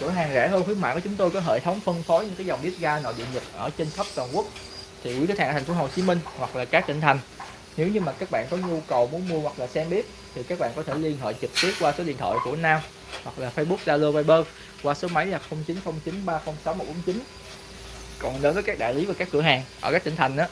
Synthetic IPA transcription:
kɨ̰˧˩əɦaː˨˩ŋzɛ̰˧˥ɦəː˧nxʰwi˨˦əma̰ː˧˨kɔː˨˦t͡ɕʊ˨˦ŋ͡mt̪o˧jkɔ˨˦ɦḛ˧˨t̪ʰə˨˦wŋ͡mfə˧nfo˨˦ɲɨ˧ŋkaː˨˦jzɔ˨˩wŋ͡mɓi˦˥ət̚ɣaː˧nɔ̰˧˨ɗḭ˧˨əɲɨ˨˩t̚ʔəː˧˩t͡ɕe˧nxə˦˥p̚t̪waː˨˩nku˦˥ək̚ | t̪ʰi˨˩wḭ˨˦˥t̪ʰːt̪̚ʰha̟ː˨˩˨fo˨˦ho˨˩t͡ɕi˨˦mï˧ŋ̟hwa˨˩k̚laː˨˩kaː˦˥k̚t͡ɕï˧˩ŋ̟t̪ʰa˨˩jŋ̟ | ne˨˦wɲɨ˧maː˨˩kaː˦˥k̚ɓa̰ː˧˨nkɔ˨˦ɲu˧kə˨˩wmu˨˦nmu˧əhwa˨˩k̚laː˨˩sɛ˧mɓi˦˥ət̚ | t̪ʰi˨˩kaː˦˥k̚ɓa̰ː˧˨nkɔ˨˦t̪ʰe˧˩li˧ənhḛː˧˨t͡ɕi˨˩t̪wi˦˥ət̚kwaː˧so˨˦ɗḭ˧˨ənt̪ʰɔ̰˧˨jku˧˩ənaː˧m | hwa˨˩k̚laː˨˩fəː˧jɓu˦˥k̚ɗaː˧lo˧vaː˧jɓəː˧ | kwaː˧so˨˦ma˨˦jlaː˨˩xə˧wŋ͡mt͡ɕi˨˦nxə˧wŋ͡mt͡ɕi˨˦nɓaː˧xə˧wŋ͡msa˨˦wm̚˨˩ɓo˨˦nt͡ɕi˨˦n | kɔ˨˩nɗe˨˦nvəː˨˦kaː˦˥k̚ɗa̰ː˧˨jli˨˦vaː˨˩ka˦˥kːɨ˧˩əɦaː˨˩ŋʔəː˧˩kaː˦˥k̚t̪ï˧ŋ̟t̪ʰa˨˩ŋ̟ʔaː˨˦

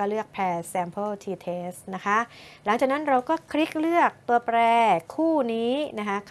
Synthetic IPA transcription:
ɔː˥˩lɯ˥˩ək̚pʰɛː˧˩sɛː˧mpʰɤ˥˩lt̪ʰiː˧t̪ʰeː˦˥st̪̚na˦˥kʰa˦˥la˨˩˦ŋt͡ɕaː˨˩k̚na˦˥nɾa˧wkɔː˥˩kʰɾi˦˥k̚lɯ˥˩ək̚t̪u˧ɐpɾɛː˧kʰuː˥˩niː˦˥na˦˥kʰa˦˥kʰ

